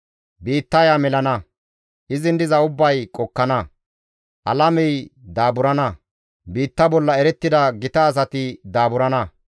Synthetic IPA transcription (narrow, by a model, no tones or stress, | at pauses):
biːt̪ːɐjamɛlɐnɐ | ʔɪzɪnd̪ɪzɐʊbːɐjkʼɔkːɐnɐ | ʔɐ̰lɐmɛjd̪aːbʊɾɐnɐ | biːt̪ːɐbɔlːɐɛɾɛt̪ːɪd̪ɐɡɪt̪ɐːs̬ɐt̪ɪd̪aːbʊɾɐnɐ